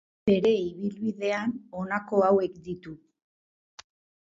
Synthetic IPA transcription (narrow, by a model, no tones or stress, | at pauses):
e̞ɾe̞iβ̞ilβiðe̞ano̞nako̞awe̞kd̪it̪u